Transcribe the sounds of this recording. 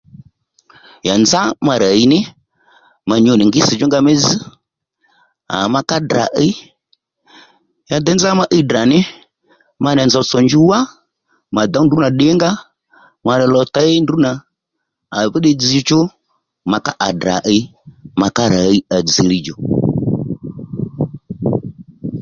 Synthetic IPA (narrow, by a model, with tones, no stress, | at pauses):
ja˨nd͡za˦ma˧ɾa˨i˦nɪ˦ | ma˧ɲɔ˨nɪ˨ŋɡɪ˦sɪ˨d͡ʒʊ˦ŋɡa˧mɛ˦d͡zi˦ | a̰˨ma˧ka˦da̰˨ʔi˦ | ja˨d̪ɛ˦nza˦ma˦ʔi˦da˨nɪ˦ | ma˧n˨a˨nd͡za˧˦sɔ˨nd͡ʒu˦wa˦ | ma˨d̪a˨˦n˨du˦na˨ɗɪ˨˦ŋɡa˦ | ma˧lɛ˨lɔ˨ta˦e˦ndu˨˦naː˨ | βi˦ɗe˦d͡zi˦t͡ʃʊ˦ | ma˨ka˦ʔa˨da̰˨ʔi˧ma˨ka˦ɾa˨i˦a˨d͡zi˨li˨d͡ʒɔ˨